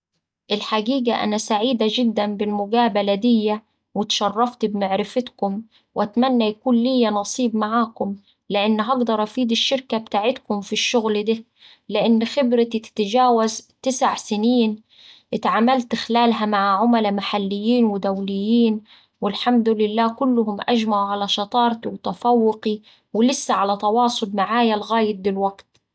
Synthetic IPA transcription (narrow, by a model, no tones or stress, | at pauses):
ʔɪlħaɡiːɡaʔa̰næsaʕiːd̪ad͡ʒɪd̪ːænbɪlmʊɡaːbalad̪ɪjːa | wɪt̪ʃɑrˤːɑft̪bmaʕɾɪfɪt̪kʊm | wʔæt̪mænːæjakuːnlijːænɑsˤiːbmaʕaːkʊm | lɪʔɪnːɦɑɡd̪ɑɾˤʔɑfiːd̪ɪʃːɪɾkab̚t̪aːʕɪt̪kʊmfiʃːʊɣld̪iː | lɪʔɪnːxɪbɾɪt̪it̪ɪ̥t̪ad͡ʒaːwazt̪ɪsaʕsɪniːn | ʔɪt̪ʕaːmalt̪ɪxlaːlɦamaʕaʕʊmalamaħalːɪjːiːnwɪd̪awlɪjːiːn | wɪlħamd̪ʊlɪlːaːkʊlːʊhʊmʔa̰ʒmaʕʕalaʃɑt̪ˤɑːɾˤt̪iwt̪afawːʊqi | wɪlɪsːaʕalat̪ɑwɑːsˤʊlmaʕaːjalɣaːjɪt̪̚b̪ɪlwaɡt̪